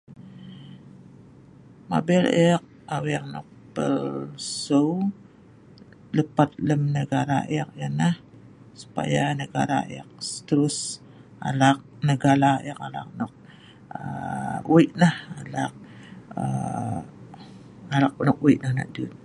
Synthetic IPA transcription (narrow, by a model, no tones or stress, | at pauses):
ma̰bɛlɛk̚ | awɛk̚nɔ̰k̚pə̰lsow | ləpat̪̚ləmnəɡaɾa̰ʔjak̚jənah | su̥pa̰janəɡaɾa̰ak̚st̪əɾʊs | a̰lak̚nəɡalaakala̰k̚nɔk̚ | əuiʔnahalak̚ə | alak̚nɔk̚uiʔnahna̰ʔ̚dut̪̚